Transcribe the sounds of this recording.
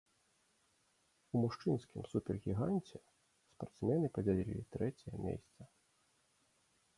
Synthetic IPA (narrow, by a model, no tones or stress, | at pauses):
umuʂt͡ʂɨnskʲimsupʲɛrɣʲiɣanʲt͡sʲɛ | spart̪smʲɛnɨpɐd͡zʲalʲilʲḭlʲit̪ɾɛt͡sʲɛjɐmʲɛ̰sʲt̪sɐ